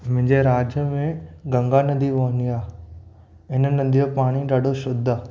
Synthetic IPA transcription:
mʊ̃ɦɪ̃ɲd͡ʑeɾaːd͡ʑjəmẽɡɐ̃ŋɡanɐnd̪ʱiʋoːəniaː | ɪnənɐ̃d̪ʱijopaːɽ̃iɗaːɖʱoʃʊd̪ʱa

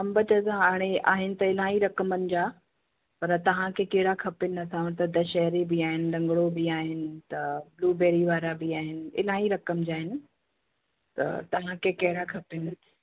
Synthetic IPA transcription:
ɐ̃mbət͡ɕɐzãaːɽ̃ea̰ːɦɪnɪ̆t̪ɐɪl̤ãːiɾɐkəmənɪ̆d͡ʑaː | pɐɾət̪ɐʋ̤ãkʰeːkɐɦɪɽakʰɐpɪnɪ̆ɐsãːʋt̪ɐd̪ɐʃɛɦɾibɪaːɦɪnɪ̆ɖɐ̃ŋɡɽobɪaːɦɪnɪ̆t̪ɐbluːbeːɾiʋaːɾabɪaːɦɪnɪ̆ɪ̰lãːiɾɐkəmd͡ʑaːɦɪnɪ̆ | t̪ɐ̰t̪ɐʋ̤ãkʰekɐɦɪɽakʰɐpɪnɪ̆

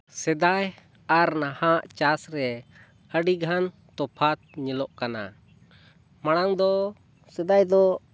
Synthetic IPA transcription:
sɛd̪aj | aɾnahãʔt͡ʃasɾɛ | əɖiɡʱan | t̪ɔpʰat̪̚ɲɛlɔʔkana̰ | maɽ̃aŋd̪ɔ | sɛd̪ajd̪ɔ

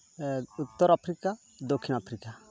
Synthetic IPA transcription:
ut̪ːɔɾapʰɾika | d̪okʰːinapʰɾika

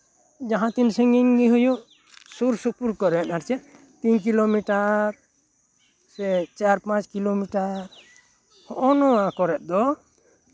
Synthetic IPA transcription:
d͡ʒaɦãt̪insɛŋɡiŋɡiɦujuʔ | suɾsupuɾkɔɾɛt̪aɾt͡ʃɛ | t̪inkilomiʈaɾ | sɛt͡ʃaɾpãt͡ʃkilomiʈaɾ | hɔʔɔnɔwakɔɾɛt̪̚d̪ɔ

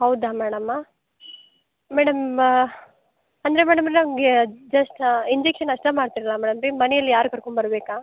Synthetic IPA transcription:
ɦɐwd̪aːmɛːɽɐm | mæːɽɐm | ɐnd̪ɐɾemɛːɽɐmɾenɐmɡed͡ʒɐsʈiɲd͡ʒekʂɐnɐʂʈɐmaːɽt̪iɾɐlamɛːɽɐmɾimɐnɛjɐlːijaːɾukɐɾkoɳbɐɾɐbeːkaː

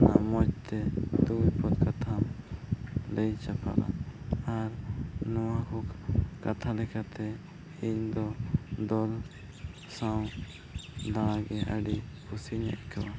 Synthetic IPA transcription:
namɔt͡ʃ̚t̪ɛd̪ujpɔt̪̚kat̪ʰam | lɛjt͡ʃapʰa̰la̰aɾnɔwakɔkat̪ʰalɛkʰat̪ɛ | iɲd̪ɔd̪ɔl | saw | d̪aɽ̃ãɡɛəɖipʰusiɲɛ̰ʔ̪̚kʰawa

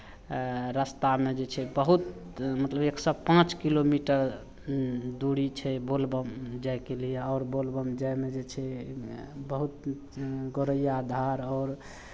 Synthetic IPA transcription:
ɾəst̪amed͡ʒet͡ʃʰɛbəɦut̪ | mət̪ləbeksəbpãt͡ʃkilomiʈəɾ | d̪uɽit͡ʃʰɛbolbəmd͡ʒajkelijeɔːɾbolbəmd͡ʒamed͡ʒet͡ʃʰɛ | bəɦut̪ | ɡoɾəjad̪ʱaɾɔːɾ

